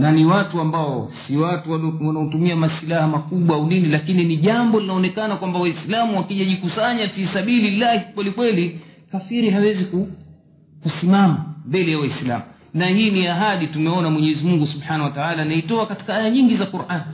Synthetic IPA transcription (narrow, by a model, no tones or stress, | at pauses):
naniwatuambaɔsiwatuwalɔwanaɔtumiamasilahamakuɓwaauninilakininiʄambɔlinaɔnɛkanakwambawaislamuwakiʄaʄikusaɲatisaɓililahikwɛlikwɛlikafiɾiɦawɛziku | kusimamambɛlɛjawaisla̰mu | nahiːniaɦaɗitumɛɔnamwɛɲɛɛzimuŋɡusubħanahwataalanaitɔakati̥kaajaɲiŋɡizakuɾʔani